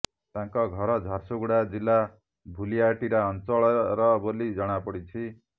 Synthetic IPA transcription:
t̪ãŋkɔɡʱʌɾɔd͡zʱaɾsoɡuɽad͡zilːa | bʱulijaʈiɾaːnt͡sɔɭɾʌbolid͡zʌɽ̃apɔɽit͡sʰi

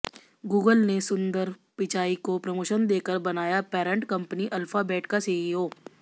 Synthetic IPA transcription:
ɡuːɡəlnesʊ̃nd̪əɾpɪt͡ʃaːikopɾɐmoːʃənd̪eːkəɾbɐnaːjapɛːɾə̃ɳʈkɐ̃mpəniʔɐlfabɛːʈkaseːiɦoː

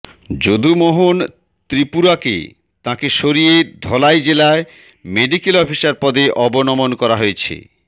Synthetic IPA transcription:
d͡ʑod̪ʱumoɦon | t̪ɾipuɾakḛ | t̪ãkeʃoɾied̪ʱɔlajd͡ʑelae | meɖikelɔfʰisaɾpɔd̪eʔɔbonɔmonkɔɾaɦoet͡ɕʰḛ

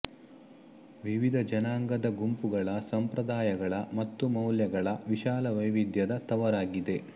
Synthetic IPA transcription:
ʋiʋid̪ʱɐd͡ʒɐnaːŋɡɐd̪ɐɡumpuɡɐɭɐsɐmpɾɐd̪aːjɐɡɐɭɐmɐt̪ːumɐwljɐɡɐɭɐʋiʃaːlɐʋɐjʋid̪ʱjɐd̪ɐt̪ɐʋɐɾaːɡid̪e̞

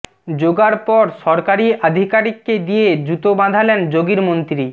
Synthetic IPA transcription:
d͡ʑoɡaɾpɔɾʃɔɾkaɾiad̪ʱikaɾikːed̪ijed̪ɾut̪obãd̪ʱalend͡ʑoɡiɾmont̪ɾi

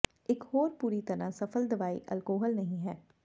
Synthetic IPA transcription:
ɪkɦoːɾpuːɾit̪ɐɾãsɐfʰəld̪ɐʋaːḭʔɐ̰lkoːɦəlnɐɦĩɦɛː

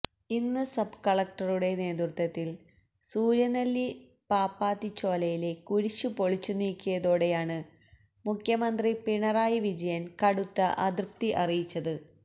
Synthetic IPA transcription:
inːɨsɐbkɐɭɐk̚ʈɐruɽe̞ne̞ːd̪rut̪ːɐt̪ːil | suːɾjɐnɐlːi | paːpːaːt̪ːit͡ɕːo̞ːlɐjile̞kuɻit͡ɕːupo̞ɭit͡ɕːuniːkʲːujɐðo̞ːɽe̞jaːɳɨ | mukʰjɐmɐnd̪ripiɳɐraːjiʋid͡ʑɐjɐnkɐɽut̪ːɐʔɐd̪rp̚t̪iʔɐrijit͡ɕːɐðɨ

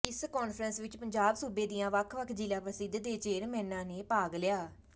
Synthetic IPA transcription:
ɪskoːnpʰɾənsʋɪt͡ʃpəɲd͡ʒaːbsuːbeːd̪ijãːʋəkʰʋəkʰd͡ʒɪlãːpɾəsɪd̪əd̪eːt͡ʃeːɾmɛ̃ːnːãːneːpaːɡlɪjaː

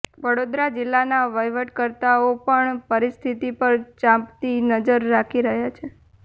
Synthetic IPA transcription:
ʋəɽod̪ɾad͡ʒɪlːanaʋəjʋəʈkəɾt̪aopəɳpəɾist̪ʰit̪ipəɾt͡ʃãmpt̪inəd͡ʒəɾːakʰiɾəɦjat͡ʃʰe

